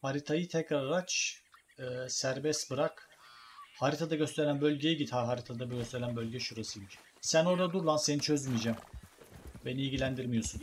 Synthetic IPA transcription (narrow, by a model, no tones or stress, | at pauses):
haɾit̪ʰajɯt̪ʰɛcɾaɾaɾat͡ʃ | ɯsæɾbɛst̪bɯɾak | haɾit̪ʰad̪aɟø̞st̪ʰeɾænbø̞lʲɟejɛɟid̪haɦaɾit̪ʰad̪abɟøst̪ʰeɾænbø̞lʲɟɛʃuɾasɯjmiʃ | sæno̞ɾd̪ad̪uɾulˠanse̞nit͡ʃʰø̞zmijd͡ʒam | be̞niːlɟilʲænd̪iɾmijo̞sun